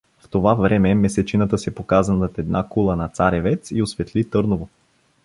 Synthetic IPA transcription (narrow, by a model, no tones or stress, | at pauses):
ft̪ovavɾɛmɛmɛsɛt͡ʃinət̪əsɛpokazənot̪ɛd̪nakulˠənɐt̪saɾɛvɛt̪siosvɛt̪lit̪ɤɾnovo